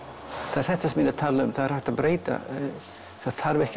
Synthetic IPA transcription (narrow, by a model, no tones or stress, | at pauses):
θaðɛɾ̥θɛht̪ːasɛmɪnat̪ʰaːlːaʏmθaðɛɾ̥haht̪aðbɾeːjt̪a̰ | θaðθaɾvɛhc